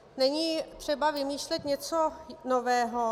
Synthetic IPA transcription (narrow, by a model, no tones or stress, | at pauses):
nɛɲiːt̪r̝̥ɛbavɪmiːʃlɛt̪ɲɛt͡sonovɛːɦo